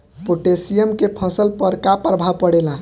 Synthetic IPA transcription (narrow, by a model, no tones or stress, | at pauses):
poʈesijəmkepʰə̃səlpəɾkapɾəbʱapəɽelã